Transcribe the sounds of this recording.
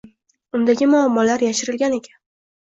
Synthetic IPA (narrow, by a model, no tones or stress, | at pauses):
ʊnd̪aɡʲɪmʊamːɒlaɾjaʃɪɾɪlɡʲane̞kʲʰḁn